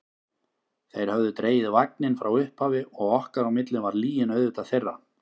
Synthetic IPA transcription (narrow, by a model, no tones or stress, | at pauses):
θejɾ̥hœvðʏt̪ɾeːjɪðɪvak̚nɪnfɾʔawʏhphaːvɪɔɣɔhkaɾawmɪt̪lɪnvaɾliːjɪnœɥðʏt̪aðθejrːa